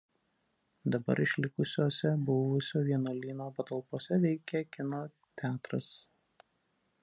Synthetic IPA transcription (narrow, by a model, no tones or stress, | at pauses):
d̪ɐbɐ̰ɾɪʃʲlʲɪkʊsʲoːsʲɛbʊʋʊsʲoːʋʲiɛnoːlʲiːnoːpɐt̪ɐlˠpoːsʲɛʋʲɛɪkʲɛkʲɪnoː | t̪ʲæːt̪ɾɐs